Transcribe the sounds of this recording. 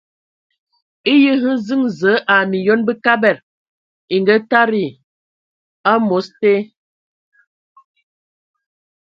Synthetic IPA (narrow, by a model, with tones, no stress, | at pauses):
i˦jə˦ɦə˦zɨ˦ŋzə˨˦ʔa˨mi˨jo˦nbə˦ka˦bɛ˨ɾ | i˨ŋɡə˦ta˦ɾi˨ | a˦mo˨˦ste˦